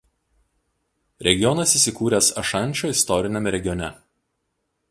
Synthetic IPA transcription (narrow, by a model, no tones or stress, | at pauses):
ɾʲɛɡʲɪjɔnɐsisʲɪkuːɾʲɛsɐʃɐnʲˑt͡ʃʲoːɪst̪ɔɾʲɪnʲɛmʲɛɾʲɛɡʲɪjɔnʲɛ